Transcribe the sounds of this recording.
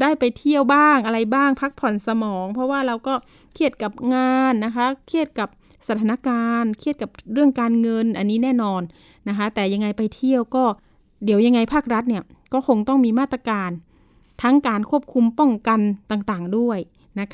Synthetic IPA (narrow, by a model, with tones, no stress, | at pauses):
daː˥˩jpa˨jt̪ʰi˥˩əwbaː˥˩ŋʔa˧ɾa˧jbaː˥˩ŋpʰa˦˥k̚pʰɔ˨˩nsa˧mɔː˩˦ŋpʰɔ˧˥waː˥˩ɾa˧wkɔː˥˩ | kʰi˦˥˩ət̪̚ka˨˩p̚ŋaː˧nːa˦˥kʰa˦˥kʰi˦˥˩ət̪̚ka˨˩p̚ | sa˧˩t̪ʰaː˧na˧˥˩kaː˧nkʰi˥˩t̪̚ka˨˩p̚ɾɯ˥˩əŋkaː˧nŋɤ˧nʔa˧nːiː˦˥nɛː˥˩nɔː˧nː | a˦˥kʰa˦˥t̪ɛː˨˩ja˧ŋːa˧jpa˧jt̪ʰi˥˩əwkɔː˥˩ | di˩˦wja˧ŋːa˧jpʰaː˥˩k̚ɾa˦˥t̪̚ni˥˩ɐ | kɔː˥˩kʰo˧ŋt̪ɔ˥˩ŋmiː˧maː˥˩t̪ːɾa˧kaː˧n | t̪ʰa˦˥ŋkaː˨nkʰu˥˩əp̚kʰu˧mpɔ˥˩ŋka˧nt̪aː˨˩ŋt̪aː˨˩ŋdu˥˩əj | na˦˥kʰ